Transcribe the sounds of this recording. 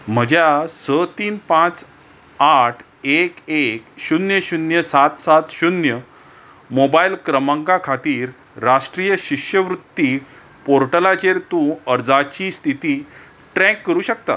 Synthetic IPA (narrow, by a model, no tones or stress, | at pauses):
m̤əd͡ʑjasət̪iːnpãt͡s | aʈʰ | ekekɕunjəɕunjəsat̪sat̪ɕunjə | mobailkɾəmãŋɡakʰat̪iːɾː | aʂʈɾijəɕiʂjəʋɾut̪ːi | poɾʈəlat͡ɕeɾt̪ũəɾd͡zat͡ɕiːst̪ʰit̪iː | ʈɾɛ̃kːəɾuːɕək̚t̪a̰t̪